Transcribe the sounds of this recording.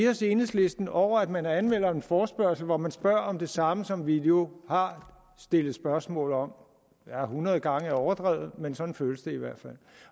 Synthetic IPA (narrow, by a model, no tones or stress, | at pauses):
eɒse̝ːnðˠsle̝sd̥n̩ɒʊ̰ɐæd̥mænæɐænmen̰ɐenfɒːsb̥ɶɐsl̩ʋɒmænsb̥ɶɐ̰ɒ̽md̥e̝sɑ̈məsɒ̽mʋid̥e̝o̝hɑ̈ | sd̥e̝lð̩ˠsb̥ɶɐsmɔ̰̽ːl̩ˠɒ̽m | jæhunʁɐð̞̩ˠəɡ̥ɑ̈ŋəæɐɒʊɐd̥ʁɛ̰ːð̩ˠmensɒ̽nn̩føːləsd̥e̝iʋæɐ̰d̥fæl̰